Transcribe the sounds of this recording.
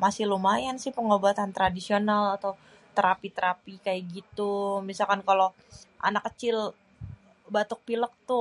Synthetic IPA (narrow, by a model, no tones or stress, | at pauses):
masɪhlumajansɪhpəŋobat̪ant̪ɾadisionalat̪aw | t̪əɾapit̪əɾapikajaɡit̪umisalkankalo | ʔa̰nakːət͡ʃɪl | bat̪ʊk̚pilək̚t̪ʊ